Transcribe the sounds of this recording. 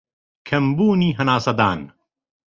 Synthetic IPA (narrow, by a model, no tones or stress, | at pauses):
kʰɐmbuːniːɦɐnaːsɐd̪aːn